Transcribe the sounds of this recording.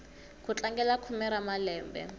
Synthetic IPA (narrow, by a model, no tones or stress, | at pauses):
kut͡ɬaŋɡɛlakʰumɛɾamalɛːmbɛ̰